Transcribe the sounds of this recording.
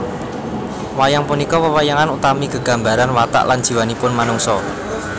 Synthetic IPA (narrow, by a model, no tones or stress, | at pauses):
wajaŋpunikɔwəwajaŋanut̪amiɡ̥əɡ̥ä̤mbaɾanwat̪a̰ʔland̥ʒ̥i̤wanipʊnmanʊŋsɔ